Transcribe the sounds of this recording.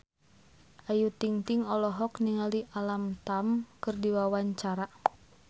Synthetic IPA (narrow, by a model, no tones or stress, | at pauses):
ʔajut̪iŋt̪iŋɔlɔɦɔkniŋaliʔalamt̪amkɨrdiwawaɲt͡ʃaɾa